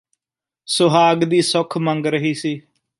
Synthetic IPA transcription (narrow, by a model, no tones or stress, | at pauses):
sʊɦaːɡd̪iːsʊkʰməŋɡɾəɦiːsiː